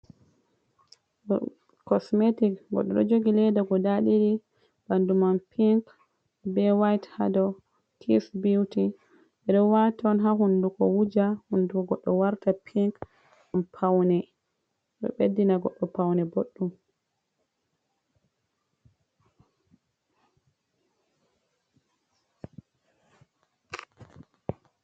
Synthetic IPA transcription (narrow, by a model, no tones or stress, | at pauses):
kɔsmetikɡɔ̰ɗːɔɗɔ̰d͡ʒoɡilɛdaɡɔdaɗiɾi | b̥andumanpʰiŋk | bɛwajthadɔ | tʰisbiwti | ɛɗɔwataɔnɦaɦundukɔwud͡ʒahundukɔɡɔɗːɔwaɾtapʰiŋk | ampʰawnɛ | ɗɔ̰ɓedːinaɡɔɗːɔpawnɛboɗːum